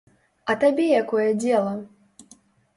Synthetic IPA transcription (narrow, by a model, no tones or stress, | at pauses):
ɐt̪abʲɛjakɔjɛd͡zʲɛlˠɐ